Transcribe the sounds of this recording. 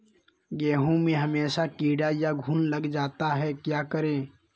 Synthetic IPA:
ɡeːɦũmẽɦəmeːsakiːɽajaɡʱuːnləɡd͡ʒaːt̪aɦɛkjaːkəɾẽː

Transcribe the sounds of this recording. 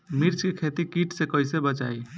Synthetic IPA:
miɾt͡ʃkekʰet̪ikiʈsekəjsebət͡ʃaj

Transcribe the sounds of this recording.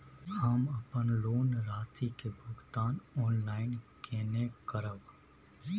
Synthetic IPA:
həmɐpənloːnɾaːst̪ʰikebʱʊɡt̪aːnɔːnlaːɪnkʰeːnekəɾəɡ

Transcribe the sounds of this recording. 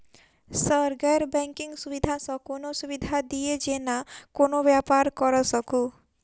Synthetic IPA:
səɾɡaɾbɛŋkiŋɡsubid̪ʱasɔkonosubid̪ʱad̪ied͡ʒenakonobjapaɾkɔɾɔsɔku

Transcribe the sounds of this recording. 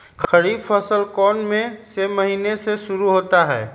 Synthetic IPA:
kəɾiːbpʰəsəlkɔːnmẽseməɦiːneseʃʊɾuɦoːt̪aɦɛː

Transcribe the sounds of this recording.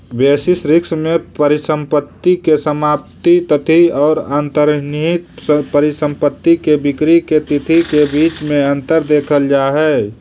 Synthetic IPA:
beːsɪsɾɪksmẽpəɾɪsə̃mpət̪ːikesəmaːpt̪it̪ət̪ʰiɔːɾaːnt̪əɾnit̪pəɾɪsə̃mpət̪ːikebɪkɾiket̪ɪt̪ʰikebiːt͡ʃmẽə̃nt̪əɾd̪eːkʰəld͡ʒaːɦɛː

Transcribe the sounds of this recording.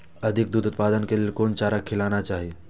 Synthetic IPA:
ɐd̪ʱɪk̚d̪uːt̪ʊt̪paːd̪ənkeliekoːnt͡ʃaːɾəkʰːɪlaːnat͡ʃaːɦie

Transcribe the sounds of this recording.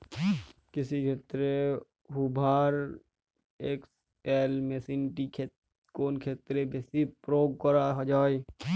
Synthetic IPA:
kɪsikʰeːt̪ɾe | ɦʊbʱaːɾ | eːks | elmesinʈikʰet | koːnkʰeːt̪ɾebesipɾoːɡ̚kəɾaɦd͡ʒaːi

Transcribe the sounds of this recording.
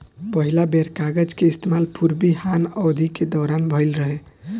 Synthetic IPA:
pəɦilabeɾkaɡəd͡ʒkeist̪emalpʰuɾbihanɔwd̪ʱiked̪ɔɾanbʱəjlɾəɦe

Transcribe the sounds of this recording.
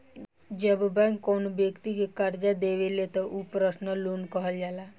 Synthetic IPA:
d͡ʒəbbɛ̃ŋkːoːnbjəkt̪ikekəɾd͡ʒad̪eːʋelet̪ɔʔupɾəsnəluːnkəɦəld͡ʒaːlaː

